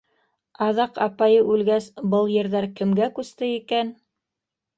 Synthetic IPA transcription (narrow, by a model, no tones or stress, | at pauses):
ɑðɑqɑpɑjɤʔʉlɡæsbɤlˠjɘ̆ɾðæɾkɘ̆mɡækʉst̪ɘikæn